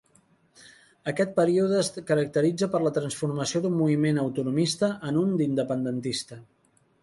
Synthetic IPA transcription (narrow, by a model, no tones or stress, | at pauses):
əkɛt̪̚pəɾiuð̞əːskəɾək̚t̪əɾid͡zəpəɾlət̪ɾənsfuɾməsioðumːuβimenəwt̪unumist̪əʔənund̪ind̪əpənd̪ənt̪ist̪ə